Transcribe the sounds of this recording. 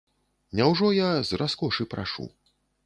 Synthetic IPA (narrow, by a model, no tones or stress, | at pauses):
nʲawʐɔjazrʔaskɔʂɨpɾa̰ʂṵ